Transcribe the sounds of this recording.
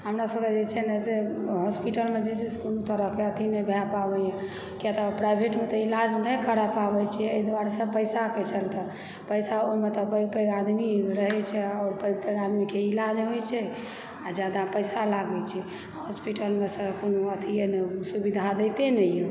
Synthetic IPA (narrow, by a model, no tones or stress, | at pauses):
ɦəmɾasəbked͡ʒet͡ʃʰɛnəseɦɔspiʈəlmed͡ʒet͡ʃʰiskonot̪əɾəɦkeət̪ʰinɛbʱɛapabɛjɛ | kiat̪əpɾajbʱeʈmet̪ɔilad͡ʒnəkʰəɾapabɛt͡ʃʰɛəjd̪ʋaɽsə̃pəjsaket͡ʃʰəlt̪ɔ | pəjsaomet̪ɔpəjɡ̚pəjɡad̪miɾəɦɛt͡ʃʰɛɔːɾpəjɡ̚pəjɡad̪mikeilad͡ʒɦojt͡ʃʰɛ | ad͡ʒad̪apəjsalaɡɛt͡ʃʰi | aɦɔspiʈəlmesə̃konoət̪ʰijenɛsubid̪ʱad̪ɛt̪enɛjɛ